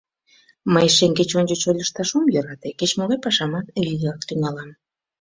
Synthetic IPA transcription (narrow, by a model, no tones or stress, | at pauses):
məjʃeŋket͡ɕonʲd͡ʒət͡ɕolʲəʃt̪ɑʃomjøɾɑt̪eket͡ɕmoɣɑjpɑʃɑmɑt̪iɣɑk̚t̪yŋɑlɑm